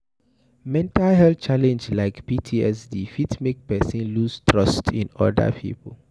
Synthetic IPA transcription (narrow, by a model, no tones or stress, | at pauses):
mɛ̃ntalhɛlt͡ʃalɛ̃nd͡ʒlaɪkpitʰiɛsdifitmek̚pɛsĩnlustʰɹɔstʰḭ̃nɔ̰də̰pʰḭpʰəl